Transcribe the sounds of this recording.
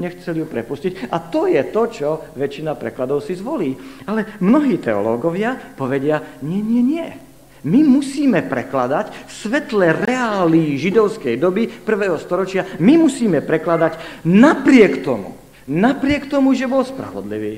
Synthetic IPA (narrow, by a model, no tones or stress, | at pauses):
ɲɛxt͡sɛlijupɾɛpuscicat̪ɔjɛt̪ɔt͡ʃɔʋɛt͡ʃːinapɾɛ̰klad̪ɔʊsizʋɔliːalɛmnɔɦiːt̪ɛɔlɔ̰ːɡɔʋɪapɔʋɛɟɪaɲɪɛɲɪɛɲɪɛ | mimusiːmɛpɾɛ̰klad̪acfsʋɛt̪lɛɾɛaːliːʒid̪ɔʊskɛjd̪ɔbipr̩ʋɛːɦɔst̪ɔɾɔt͡ʃɪamimusiːmɛpɾɛklad̪acnapɾɪɛkt̪ɔmṵ | napɾɪɛkt̪ɔmuʒɛbɔlspɾa̰ʋɔ̰d̪lḭʋiː